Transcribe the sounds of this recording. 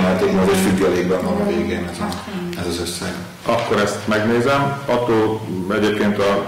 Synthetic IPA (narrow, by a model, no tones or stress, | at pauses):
nɛlt̪eːkmɒɡeʃyɡjɛleːɡ̚bɛnɒɾɒveːɡeːnɛzɒ | ɛzɒzøsːɛɡ | ʔɒkːoɾɛst̪mɛɡneːzɛmɒt̪ːoːlɛɟeːpkeːnt̪ɒ